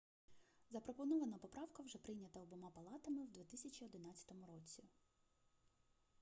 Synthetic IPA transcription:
zɐpɾɔpɔnɔʋɐnɐpɔpɾɑwkɐwʒɛpɾɪjnʲɐt̪ɐɔbɔmɑpɐlˠɑt̪ɐmɪwd̪ʲʋʲit̪ɪsʲɐt͡ʃʲiɔd̪ɪn̪ɑt͡sʲːɐ̥t̪ɔmʊɾɔt͡sʲi

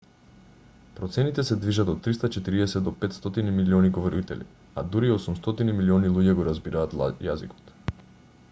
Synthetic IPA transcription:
pɾɔt̪sɛnit̪ɛsɛd̪viʒat̪ɔot̪ːɾist̪at͡ʃɛt̪iɾiɛsɛd̪d̪ɔpɛt̪st̪ɔt̪inimiliɔniɡovɔɾit̪ɛ̰lḭ | ad̪uɾiosumst̪ɔt̪inimiliɔnilˠuɟɛɡɔɾazbiɾaːt̪ja̰zikɔ̥t̪

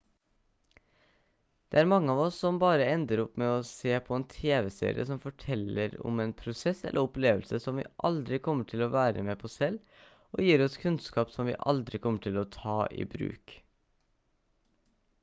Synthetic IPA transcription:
d̪̥ḛːæːɾmɑŋːəɑːʋɔsːɔmbɑːɾəɛnd̪əɾɔpmɛɔseːpʰɔeːnt̪ʰeːʋɛsḛːɾɪ̰ə̰sɔmfɔʈʰɛlːəɾɔ̰mɛːnpʰɾʊsɛsɛ̰lʔəɾɔpleːʋəlsəsɔmʋḭːʔɑld̪ɾɪkʰɔmːəʈʰɪlɔʋæːɾə̰mepʰɔsɛl | oːjiːɾɔskʰʉnskɑːpsɔmʋḭːʔɑ̰ld̪ɾɪkʰɔmːəʈʰɪlɔt̪ʰɑːʔḭːbɾʉ̰ːk

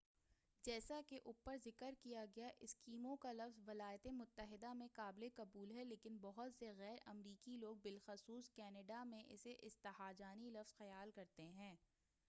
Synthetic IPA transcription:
d͡ʒɛːsakeʔʊpːəɾzɪkəɾkijaɡɐjaʔɪskiːmõkalɐfzʋɪlaːjt̪emʊt̪ːəɦɪd̪amẽkaːblekɐbuːlɦɛleːkɪnbɐɦʊt̪seɣɛːɾɐmɾiːkiloːɡ̚bɪlxɐsuːskɛːnəɖamẽʔɪ̰seʔɪst̪ɐɦaːd͡ʒaːnilɐfz̥xɐjaːlkɐɾt̪eɦɛ̃ː

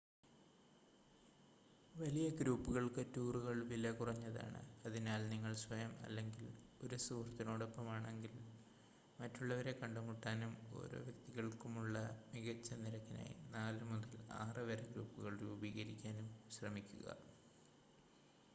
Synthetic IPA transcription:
ʋɐlijɐɡɾuːpːuɣɐɭkɨtːuːruɣɐɭʋilɐkurɐɲːɐða̰ːɳɨ̰ɐðinaːlniŋːɐɭsʋɐjɐmɐ̰lːeŋɡilo̞ɾusuːrt̪ːinoːɽo̞pːɐmaːɳe̞ŋɡil | mɐtːuɭːɐʋɐɾe̞kɐɳɖɐmuʈːaːnumo̞̰ːɾo̰ːʋjɐkt̪iɣɐɭkumuɭːɐmiɣɐt͡ɕːɐniɾɐkːina̰ːjḭnaːlɨmuðɐla̰ːrɨʋɐɾɐɡɾuːpːuɣɐɭruːbiːɣɐɾikʲːaːnumɕrɐmikʲːuɣɐ̰

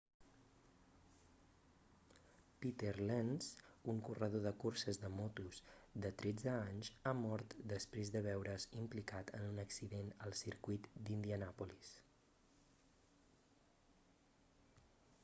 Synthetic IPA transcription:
pit̪eɾlɛnsuŋkurəð̞oðəkursəzðəmɔt̪uzd̪ət̪ɾɛd͡zəaɲzamɔɾt̪d̪əspɾezðəβ̞ɛwɾəzimplikat̪ənunəksiðenəlˠsiɾkujt̪d̪ind̪iənapulis

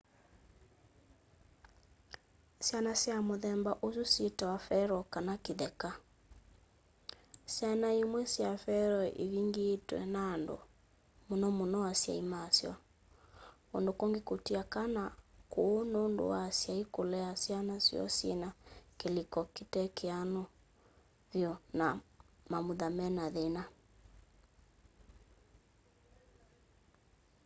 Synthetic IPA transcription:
sjanasjamoðɛmbaʔosusjetawafɛɾɔkanakiðɛka | sjanaimwɛsjafɛɾɔʔḛβiŋɡeːtwɛ̰naːndo̰ | monɔmonɔwasja̰imasjɔ̰ | ondokɔŋɡekutiakanakuːnondo̰wasjaikolɛasianasḭɔ̰sɛnakelikɔkitɛkʰeanɔ | vjɔnamamuðamɛnaðena

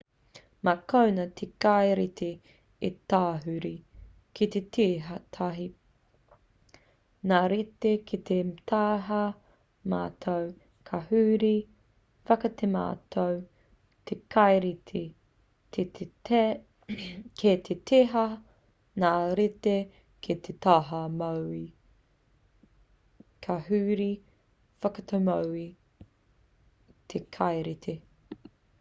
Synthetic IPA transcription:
mɐkownɐt̪ʰekajɾit̪ʰe | it̪aːɦʉɾi | kit̪et̪ʰeɦɐtʰɐɦi | naːɾit̪ekʰit̪et̪ʰaːɦɐ | ma̰ːt̪ʰow | kʰɐhʉːɾi | fɐkɐt̪ʰema̰ːt̪ʰow | t̪ʰekʰɐjɾitʰi | tʰe | kʰet̪ʰet̪ʰeɦɐ | naːɾit̪e | kʰet̪ʰet̪aɦɐmowi | kʰɐɦʉːɾi | fɐkɐt̪ʰowmɐwi | t̪ʰekʰɐjɾit̪ʰi

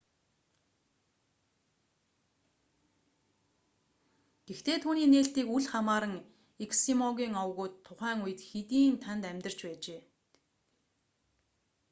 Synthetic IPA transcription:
ɡ̥ext̪eːt̪ʰuːniːneːɬt̪iːkuɮχamaːɾə̆ŋ | ekʰsimɔɣʲiːŋɔwɣʊːt̪ʰːʊχæːŋujɘ̆t̪xet̪iːnt̪ʰant̪æmʲt̪ə̆r̥t͡ɕpæːt͡ɕeː

